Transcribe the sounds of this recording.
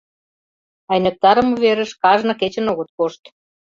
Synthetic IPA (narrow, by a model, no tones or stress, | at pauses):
ɑjnə̆k̚t̪ɑɾə̆muβeɾə̆ʃkɑʒnɤ̆ket͡ɕə̆noɣə̆t̪̚koʃt̪